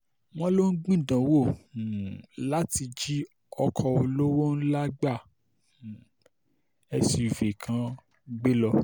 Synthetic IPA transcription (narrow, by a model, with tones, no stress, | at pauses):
w̃ɔ̃˦lo˦n̩˦ɡ͡bĩ˦˨dã˨˦wo˦˨ | la˦ti˧d͡ʒi˦ | ɔ˧kʰɔ˧o˧lo˦wo˦n̩˦la˦ɡ͡ba˦˨ | ɛ˧si˧˨ve˨kʰã˧˦ | ɡ͡be˦lɔ˧